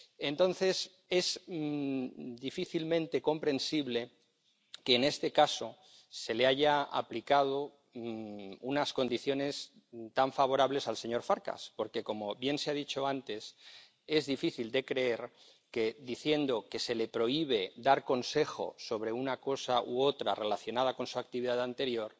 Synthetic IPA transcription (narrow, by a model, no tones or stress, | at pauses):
e̞nt̪õ̞nθe̞s | e̞z | d̪ifiθilmẽ̞nt̪e̞ko̞mpɾẽ̞nsiβle̞ | keːne̞st̪e̞kaso̞ | se̞le̞aʝaa̰plikað̞o̞ | unasko̞nd̪iθjo̞ne̞s | t̪aɱfaβ̞o̞ɾaβle̞salse̞ɲo̞ɾfaɾka̰spo̞ɾke̞ko̞mo̞βje̞nseað̞it͡ʃo̞ant̪e̞s | e̞zðifiθild̪e̞kɾe̞eɾ | ke̞ðiθje̞nd̪o̞ke̞se̞le̞pɾo̞iβ̞e̞d̪aɾko̞nse̞xo̞̰so̞β̞ɾe̞unako̞saʔuot̪ɾa̰re̞laθjo̞nað̞ako̞nsuak̚t̪iβiðaðant̪e̞ɾjo̞ɾ